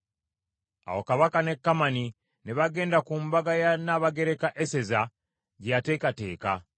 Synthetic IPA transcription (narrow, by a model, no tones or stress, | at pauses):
a̰wo̞kaβakane̞kːamani | neβaɡe̞ːndakuːmbaɡajanaːβaɡe̞ɾe̞kaʔese̞za | ɟate̞ːkate̞̰ːka̰